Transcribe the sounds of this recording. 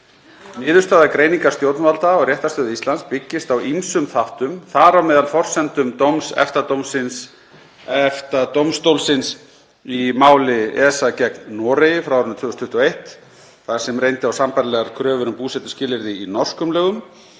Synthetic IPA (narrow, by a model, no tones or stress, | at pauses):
nɪːðʏ̥ɾst̪aːðakɾejniŋkaɾ̥st̪jowt̪nvalt̪aɔɣrjɛht̪ast̪œːðʏist̪lanspɪcːɪst̪awimsʏmθaht̪ʏmθaɾawmɛːðalfɔr̥sɛnt̪ʏmt̪owmsɛ̰ft̪at̪owmsɪns | ɛft̪at̪owmst̪owlsɪns | imaːwlɪɛsacɛknnɔːɾejɪfɾawɔɾʏnt̪vʏːɣɔst̪ʰʏht̪ʏɔejht̪ | θaɾ̥sɛmɾrejnt̪ɪawsampɛɾlɛɣaɾkʰɾœːvʏɾʏmpuːsɛt̪ʏ̥scɪːlɪɾðɪinɔr̥skʏmlœːɣʏm